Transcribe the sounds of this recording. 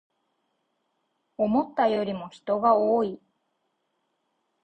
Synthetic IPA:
o̞mo̞t̪ːajo̞ɾʲimo̞çi̥t̪o̞ɡaoːi

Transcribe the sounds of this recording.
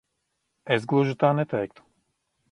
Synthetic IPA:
ɛzɡlˠɔʒut̪aːnɛt̪aɛk̚t̪o̥

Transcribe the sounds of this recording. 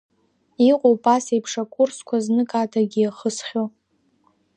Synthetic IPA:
iqʷʼowpʼasejpʰʂakʷʼʊrskʷʰaznɨkʼaːtʰaɡʲiaχəsχʲo

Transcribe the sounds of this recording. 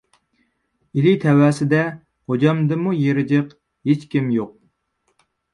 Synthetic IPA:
ilit̪ʰɛwɛːsɪd̪ɛ | hod͡ʒɑmd̪ɨmujeɾɪd͡ʒɪq | het͡ʃkʲimjoq̚

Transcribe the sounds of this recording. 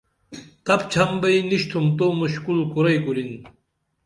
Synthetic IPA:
t̪ɐp̚t͡ɕʰɐmbɐjniɕt̪ʰumt̪omuɕkulkuɾɐjkulin

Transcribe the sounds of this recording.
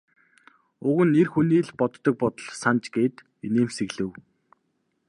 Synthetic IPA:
ʊɣɘ̆nːerxuniːɮpɔt̪ːɞ̆k̚pɔt̪ɞ̆ɮsant͡ɕɡeːt̪ | eneːmseɣɮɘ̆w

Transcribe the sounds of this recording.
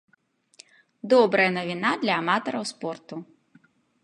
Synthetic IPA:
d̪ɔbɾɐjɐnɐvʲinad̪lʲɐːmat̪ɐɾɐwspɔrt̪u

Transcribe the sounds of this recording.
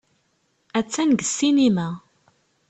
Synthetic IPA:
æt͡sːænɡə̥sːinimæ

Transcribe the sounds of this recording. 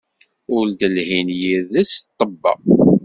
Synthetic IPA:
ʊɾd̪əlhinjiɾðæst̪ˤːəbːɑ̰

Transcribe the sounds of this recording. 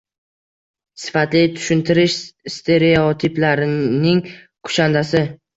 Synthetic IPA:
sɪ̥fat̪lɪt̪ʰʊ̥ʃɪnt̪ʰɪɾɪʃst̪ʰe̞ɾeot̪ʰɪplaɾɪnɪŋ | kʰʊ̥ʃand̪asɪ

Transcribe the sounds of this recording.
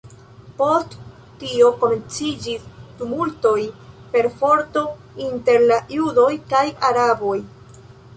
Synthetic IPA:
po̞st | tio̞ko̞me̞nt͡sid͡ʒisdumulto̞jpe̞ɾfo̞ɾto̞ | inte̞ɾlajudo̞jkajaɾabo̞j

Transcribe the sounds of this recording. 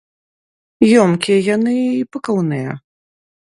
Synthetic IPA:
jɔmkʲiɛjanɨpɨkawnɨjɐ̰

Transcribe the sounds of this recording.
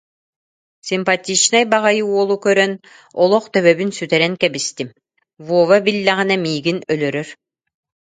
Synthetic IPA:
sʲimpat̪ʲːit͡ʃnajbaʁajɯuɔlˠukœɾœn | ɔlˠɔχt̪œβœβynsyt̪ɛɾɛŋkɛbist̪im | vuɔvabilːɛʁinɛmiːɡinœlœɾœɾ

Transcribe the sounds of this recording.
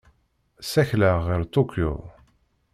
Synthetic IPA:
sæçləːɪɾt̪okjo̰

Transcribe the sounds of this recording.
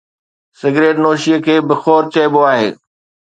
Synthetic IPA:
sɪɡɾeːʈnoːʃiəkʰeːbɪxoːɾt͡ɕɐɪboaːɦḛː

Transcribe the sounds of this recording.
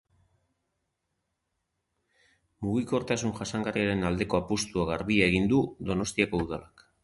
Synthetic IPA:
muɣiko̞ɾt̪asunʝasaŋɡariaɾe̞nald̪e̞ko̞apust̪uaɣaɾβiae̞ɣ̞ind̪uðo̞no̞st̪iako̞uðalak

